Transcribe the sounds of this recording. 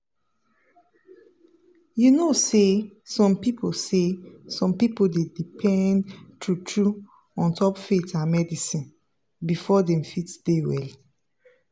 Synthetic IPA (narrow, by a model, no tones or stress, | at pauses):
junosesɔ̃mpipʰosesɔ̃mpipoldedipʰɛ̃ndtutʰɹu | ɔ̃ntʰɔpfetãnmɛdisĩn | bifɔdɛ̃mfitd̥ewɛ̰l